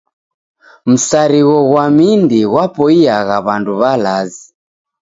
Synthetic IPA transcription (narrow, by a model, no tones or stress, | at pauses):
m̩saɾiɣɔɣwamindiɣwapɔiaɣaβanduβalazi